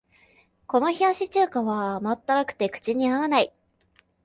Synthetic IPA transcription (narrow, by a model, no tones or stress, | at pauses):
ko̞no̞çiaɕit͡ɕɨːkaβamat̪ːaɾakɯ̟̥t̪e̞kɯ̟̥t͡ɕiɲ̟iaβanai